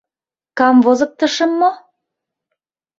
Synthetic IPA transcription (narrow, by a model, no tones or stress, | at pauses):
kɑmvozɤ̆k̚t̪ə̆ʃə̆mːo